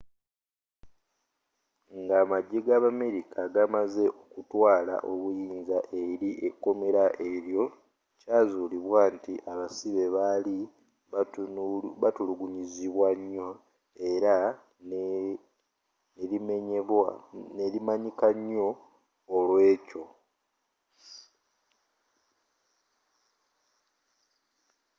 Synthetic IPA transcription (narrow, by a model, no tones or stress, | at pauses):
ŋɡaːmaɟːeɡaβame̞ɾikʰaɡamaze̞ʔo̞kutwaːla̰ʔo̞βujiːnzaʔe̞ɾiʔekːo̞me̞ɾaʔe̞ɾjo̞ | caːzuliβwaːntiʔaβasiβe̞βali | βatuluɡuɲiziβwaɲːo | e̞ɾa | n | nelime̞ɲeβwanelimaɲikaɲːo̞ː | lwe̞ːco̞